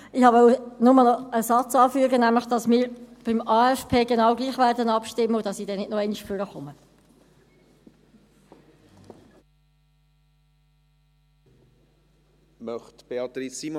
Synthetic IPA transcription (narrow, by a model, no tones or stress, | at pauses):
ɪhɑʋœʊwənʊməlnɔəsɑt͡sɑːfyːəɡənæmləχd̥ɑsmɪːɾb̥ɪmɑːɛfpʰeːɡenɑwɡliːχʋæːɾdənɑpʃtɪmːəʊd̥ɑsiːdɛnɪtnɔɛɪniʃføɾəχʊmə | mœχtb̥eɑt̪ɾisːim